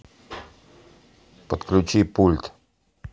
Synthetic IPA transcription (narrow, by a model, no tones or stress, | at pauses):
pot̪klʲut͡ʃipult̪